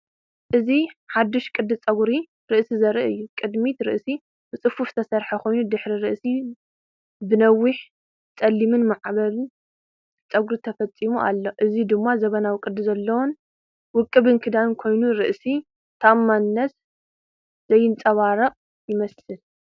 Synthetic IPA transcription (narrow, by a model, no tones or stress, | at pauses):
ʔɨziħad̪ːɨʃkʼɨd̪ɨt͡sʼɐɡɾi | ɾɨʔsizɐɾʔɨjːukʼɨd̪mit̪ɾɨ̰ʔsi | bɨt͡sʼɨfuft̪ʰɐsɐɾħakʰo̞jnud̪ɨħɾiɾɨʔsi | bɨnɐwːɪħ | t͡sʼɐlːimɨnmaʕβɐlɨn | t͡sʼɐɡɾit̪ʰɐfɐt͡sʼimuʔa̰lːoʔɨzid̪ɨmːazɐβɐnawkʼɨd̪ːɨzɐlːɐwon | wʊkʼːɨβɨnkʰɨd̪ankʰo̞jnuɾɨʔsi | t̪ʰɐʔmːanɨnɐt̪ | zɐjːɪnt͡sʼɐβaɾɐqʼ | jɪmɐsɨl